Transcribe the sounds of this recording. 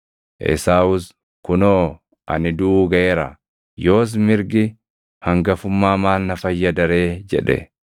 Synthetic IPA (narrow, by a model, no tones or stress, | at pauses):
ʔɛ̰saːwʊs | kʊnoː | ʔɐ̰nɪd̪uːɡɐʔeːɾɐ̰ | jo̞ːs̬mɪɾɡɪ | hɐŋɡɐfʊmːaːmaːnːɐfɐjːɐd̪ɐɾeːd͡ʒɛ̰ᶑɛ̰